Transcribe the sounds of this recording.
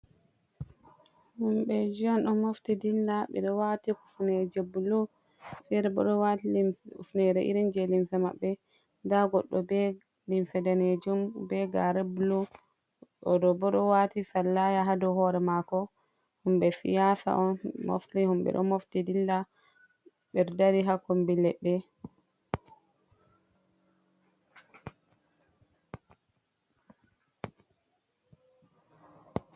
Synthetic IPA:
humɓɛd͡ʒiɔnɗɔmoftidilːaɓɛ̰ɗɔwatikufnɛd͡ʒebulu | fɛɾɛbɔ̰ɗɔwatilufnɛɾɛʔḭɾind͡ʒɛlimsama̰ɓːɛ | daɡɔɗːɔbɛ | limsɛdaned͡ʒumbɛɡaɾebulu | ɔdɔbɔɗɔwatisalːajaɦadɔhɔɾɛmakɔ | humɓɛsḭjasa̰ʔɔnmo̰ftihumɓɛ̰ɗɔ̰moftidilːa | ɓɛɾdaɾiɦakombilɛɗːɛ

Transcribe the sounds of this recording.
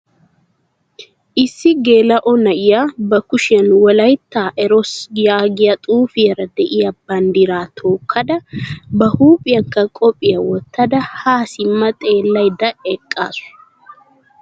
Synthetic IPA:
ʔɪsːɪɡe̞ːlɐʔɔnɐʔɪjabɐkʊʃɪɐnwɔlɐjt̪ːaːʔɛɾɔsjaːɡɪjɐt̪ʼuːfɪjɛɾɐd̪ɛʔɪjɐbɐnd̪iɾaːt̪ʰoːkʰːɐd̪ɐbɐhuːpʼɪjɐŋkɐkʼɔpʼːɪjɐwɔt̪ːɐd̪ɐhaːsɪmːɐt̪ʼe̞ːlːɐjd̪ɐɛkʼːa̰ːsʊ̥

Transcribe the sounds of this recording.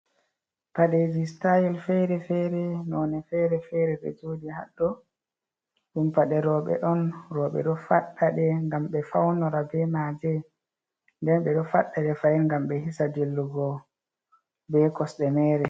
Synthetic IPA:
paɗed͡ʒistajilfɛɾɛfɛɾɛnɔnɛfɛɾɛfɛɾɛɗɛ̰d͡ʒoːdiha̰ɗːɔ | ɗumpaɗɛɾɔɓɛ̰ɗɔnɾɔɓɛ̰ɗɔfaɗːaɗɛŋɡamɓɛfawnɔɾabɛmad͡ʒɛ | ndɛnɓɛɗɔfaɗːaɗɛfajŋɡamɓɛhisadilːuɡɔ | bɛkɔsɗɛmɛːɾɛ

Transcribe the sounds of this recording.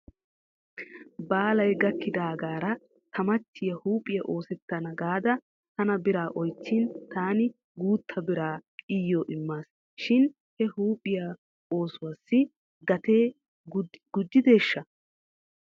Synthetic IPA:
baːlɐjɡɐkːɪd̪aːɡaːɾɐ | t̪ʰɐmɐt̪ʰːɪjɐhuːpʼɪjɐʔo̞ːsɛt̪ːɐnɐɡaːd̪ɐ | t̪ɐnɐbɪɾaːʔɔjt͡sːɪnt̪aːnɪ | ɡuːt̪ʰːɐbɪɾaːɪjːoːʔɪmːaːs | ʃɪn | hɛhuːpʼɪja | o̞ːsʊwaːsːɪ | ɡɐt̪eː | ɡʊd͡ʒ̪ːɪd̪e̞ːʃːɐ

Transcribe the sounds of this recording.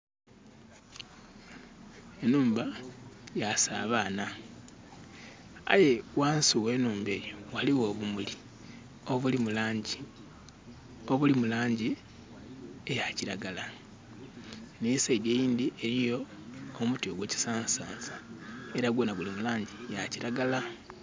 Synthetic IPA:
e̞nuːmbajasa̰ːβaːna | a̰je̞waːnsiwe̞ːnuːmbe̞ːjowaliwo̞βumuli | o̞βulimulaːɲɟi | o̞βulimulaːɲɟi | ejaciɾaɡala | neiseɟejiːnd̪iʔe̞ɾijo̞ː | mutioɡwe̞ci̥saːnsaːnzae̞ɾaɡwoːnaβulimulaːɲɟijaciɾaɡala

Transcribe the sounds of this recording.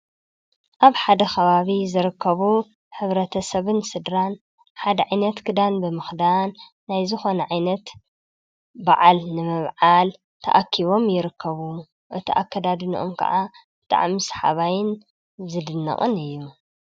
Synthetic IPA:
ʔaβħad̪ɐxɐβaβizɨɾɨkʰːɐβu | ħɨβɾɐt̪ʰɐsɐβɨnsɨd̪ɾan | ħad̪ɐʕajnɐt̪kʰɨd̪anbɨmɨxd̪anː | ajzɨxo̞nɐʕajnɐt̪ | baʕalnɨmɨβʕal | t̪ʰɐ̰ʔakʰːiβo̞mjɪɾɨkːɐβu | ʔɨt̪ʰiʔa̰kːɐd̪ad̪ɨnḭʔo̰mkʰɐ̰ʕabɨt̪ʰʼa̰ʕmisħa̰βajɪn | zɨd̪ɨnːɐ̰χʼɨ̰nɨjːu

